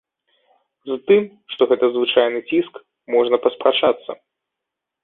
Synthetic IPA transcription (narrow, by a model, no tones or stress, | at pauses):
zt̪ɨm | ʂt̪ɔɣɛt̪ɐzvɨt͡ʂajnɨt͡sʲisk | mɔʐnɐpɐspɾat͡ʂat̪sːɐ̰